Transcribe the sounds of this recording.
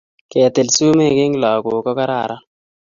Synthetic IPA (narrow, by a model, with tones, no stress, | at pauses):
kɛ˨t̪e˨lsu˦me˦˨ke˦ŋlɔ˨kʊ˨kɔ˦ka˦ɾa̰˨ɾa˦